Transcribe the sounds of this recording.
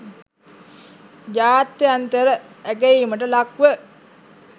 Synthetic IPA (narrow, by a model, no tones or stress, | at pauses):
jaːt̪eant̪əɾəækejiːməʈ̬əlakʋə